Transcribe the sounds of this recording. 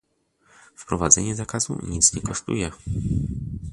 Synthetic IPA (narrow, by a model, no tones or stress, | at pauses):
fpɾɔvad̪zɛɲɛzakaz̥ṵɲit̪sɲɛkɔʂt̪ṵjɛ